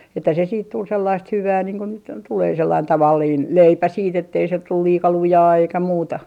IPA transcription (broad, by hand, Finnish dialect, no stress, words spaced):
etːæ se siːt tul selːɑist hyʋæː niːŋ ko nyt tuleː selːɑin tɑʋɑlːiːn leipæ siːt etːei se tul liːkɑ lujɑː eikæ muːtɑ